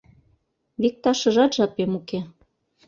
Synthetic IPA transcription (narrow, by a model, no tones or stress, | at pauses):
βik̚t̪ɑʃɤ̆ʒɑt̪ʒɑpemuke